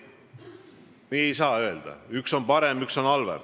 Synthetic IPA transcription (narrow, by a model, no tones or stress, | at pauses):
niːe̞jsɑːø̞e̞ld̪̥ɑ̰ykso̞npɑɾe̞mykso̞nɑlvḛr